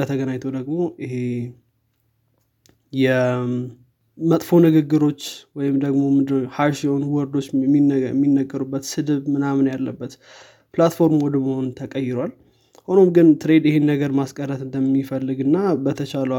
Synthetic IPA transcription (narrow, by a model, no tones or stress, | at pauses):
ət̪ʰəɡənaɲt̪ʰəwd̪əɡmo̞ʔɪhe | jɛ | mət̪ʼfo̞nɨɡɨɡːɨɾo̞t͡ʃːwɔjɪmd̪əɡmo̞mɨhaɾʃhonuwɔɾd̪o̞t͡ʃːmimːinːəɡəɾubːət̪sɨd̪ɨβmɨnamnjalːəbːət̪ | plat̪fo̞ɾmwɔd̪məhonnt̪ʰəkʼəjːɪɾwal | ho̞no̞mɡɨnt̪ʰɨɾe̞d̪jɪhe̞nːəɡəɾmaskʼərːət̪ɨnd̪əmːifəlːɨɡɨnːabət̪ʰət͡ʃaləa